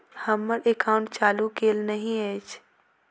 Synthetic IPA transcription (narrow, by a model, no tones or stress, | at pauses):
hɐmːəɾʔekaːʊ̃ɳʈ̚t͡ʃaːlukeːlnɐɦĩeːt͡ʃʰ